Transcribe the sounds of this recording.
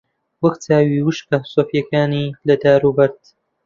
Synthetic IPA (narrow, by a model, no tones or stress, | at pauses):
wɐkt͡sʰaːwiːwɨʃkɐsoːfjɐkaːniːlɐd̪aːɾubɐɾd̪